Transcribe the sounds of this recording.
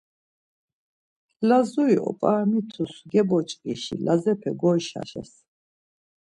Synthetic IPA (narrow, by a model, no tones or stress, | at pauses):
lazuiʔɔ̰pʼamit̪ʰusɡɛbɔt͡ʃʼkʼiʃḭlazɛpʰɛɡɔjʃa̰ʃɛ̰s